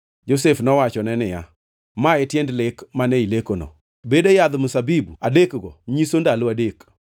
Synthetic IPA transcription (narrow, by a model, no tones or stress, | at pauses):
d͡ʒosefnɔwat͡ʃɔnɛnɪja̰ | maɛtjendlekmanɛilekonɔ̰ | bedojad̪mʊsabibuadekɡɔɲisondaloadek